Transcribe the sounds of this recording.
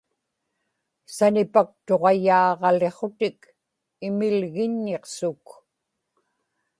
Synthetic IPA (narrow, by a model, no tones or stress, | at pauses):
sanɪpak̚t̪o̞ʁɑjɑːʁɑle̞χo̞t̪ɪk | ɪmɪlɣɪɲːeqsʊk